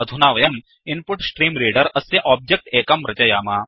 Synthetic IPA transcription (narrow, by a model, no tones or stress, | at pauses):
ɐd̪ʱunaːʋɐjɐn | inpʊʈsʈɾiːmɾeːɖɐɾɐsjɐʔɔːb̚d͡ʒek̚ʈeːkɐmɾɐt͡ʃɐjaːmaː